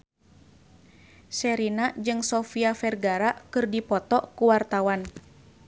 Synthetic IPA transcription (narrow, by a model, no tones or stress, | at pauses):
sɛɾinad͡ʒɨŋsɔfiafɛrɡaɾakɨrdipɔt̪ɔkuwart̪awan